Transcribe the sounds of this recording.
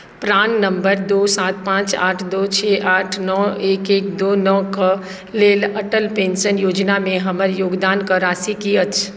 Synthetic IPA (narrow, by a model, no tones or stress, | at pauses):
pɾaːnːəmbəɾd̪oːsaːt̪̚pãt͡ʃaːʈʰd̪ot͡ʃʰɛʔaːʈʰnɔeːkek̚d̪onɔkə | leːləʈəlpẽnsənjoːd͡ʒnamẽɦəməɾjoːɡd̪aːnkəɾasikiət͡ʃʰ